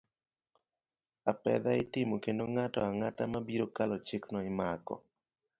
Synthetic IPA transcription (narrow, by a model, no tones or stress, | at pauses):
apɛ̰d̪aɪtɪmokendoŋatɔaŋatamabiɾokalɔt͡ʃɪknɔɪmakɔ̰